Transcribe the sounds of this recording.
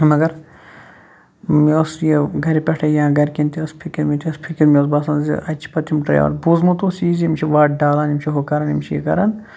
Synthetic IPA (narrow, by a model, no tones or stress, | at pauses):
mɐɡɐɾ | mosjeɡʱɐɾipʲɐʈʰɐjãːɡɐɾkint̪iɐspʰikiɾmit̪ʰʲiɐspʰikiɾmioːs̬baːsɐnzḭʔɐt͡ʃʰi̥pɐt̪imʈɐjɔ̰ːɾbuzmut̪osiːzimt͡ʃʰiʋaːʈɖaːlaːnimʲt͡ʃʰiɦokɐɾɐnimt͡ʃʰijḭkɐ̰ɾɐn